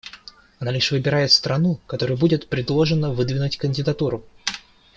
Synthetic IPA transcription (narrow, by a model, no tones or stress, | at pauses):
ɐnalʲɪʂvɨbʲɪɾajɪt̪st̪ɾɐnukɐt̪o̞ɾʊjʊbudʲɪt̪pɾʲɪd̪lˠo̞ʐɨnəvɨd̪vʲɪnʊtʲkənʲdʲɪd̪ɐt̪uɾʊ